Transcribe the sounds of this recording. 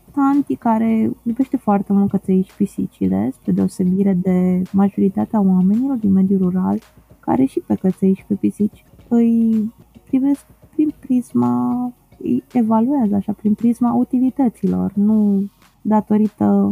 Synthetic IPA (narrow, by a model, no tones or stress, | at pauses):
t̪ant̪ikaɾe̞jobe̞ʃt̪e̞foart̪e̞mult̪̚kət̪seiʃpisḭt͡ʃḭle̞̰spɾed̪e̞o̞se̞biɾe̞d̪e̞maʒo̞ɾit̪at̪eawame̞nilo̞rd̪inme̞d̪juɾuɾalka̰ɾe̞ʃipekət̪seiʃpepisit͡ʃʲ | ɨjpɾive̞sk̚pɾinpɾizma | ɨ̰jevaluazəaʃapɾinpɾizmaut̪ilit̪ət̪silo̞̰rnu | d̪at̪o̞ɾit̪ə